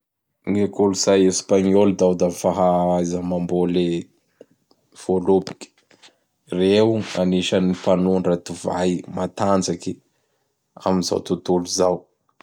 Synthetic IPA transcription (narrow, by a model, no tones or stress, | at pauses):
ŋekoluz̥ajespaɲold̪awd̪afaɦaajzamambole | v̥olopi̥kʲi̥ | reuaniʃanifanunrat̪uvajmat̪and͡zakʲi | a̰minza̰wt̪ut̪uluzaw